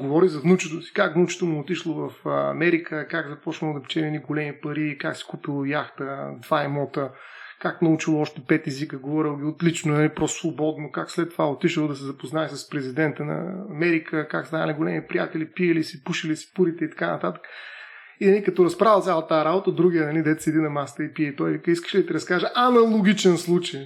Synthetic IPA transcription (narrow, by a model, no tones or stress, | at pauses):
ɡovɔɾizɐvnut͡ʃɛt̪osi̥kaknut͡ʃɛ̥t̪omuːt̪iʃlˠovɐfɐ̰mɛɾikəkakzɐpɔt͡ʃnəod̪ɐpt͡ʃɛniɛniɡolɛmipɐɾikaksɛ̥kupilˠojaxt̪əd̪vaimɔt̪ə | kaknɐut͡ʃilˠoɔʃt̪ɛpɛt̪ɛzikəɡovɔɾilˠɡʲiot̪lit͡ʃnonɐlipɾɔst̪svobɔd̪nokakslɛt̪ːovaot̪iʃəlˠod̪ɐs̬ɛzɐpoznaɛsəspɾɛzid̪ɛnt̪ənɐ̰ːmɛɾikʰəkakst̪anəliɡolɛmipɾʲija̰t̪ɛlipiəlisipuʃilisi̥puɾit̪ɛit̪ɐ̥kanɐt̪at̪ə̥kə̥ | inɐlikɐt̪ɔɾɐspɾavəlˠt̪sʲalˠt̪aːɾabot̪əd̪ɾuɡʲijənɐlid̪ɛt̪sɛd̪inɐmast̪əipiɛt̪ɔjvikəiskə̥ʃɛd̪ɐt̪iɾɐskaʒəʔɐnɐlˠoɡʲit͡ʃɛnslˠut͡ʃəj